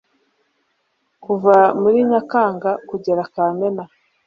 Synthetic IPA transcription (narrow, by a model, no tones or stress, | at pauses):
kuvamuɾiɲakaːŋɡakuɟeɾakaːmena